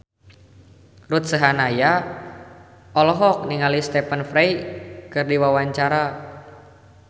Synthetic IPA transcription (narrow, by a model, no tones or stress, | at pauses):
rut̪̚səɦanaja | ɔlɔɦɔk̚niŋalist̪ɛpənfɾejkɨrdiwawaɲt͡ʃaɾa